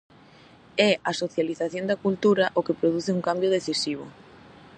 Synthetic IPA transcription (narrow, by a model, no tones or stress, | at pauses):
ɛasoθjaliθaθjond̪ɐkult̪uɾaʔokepɾoð̞uθɪuŋkambjoð̞eθisiβ̞ʊ̰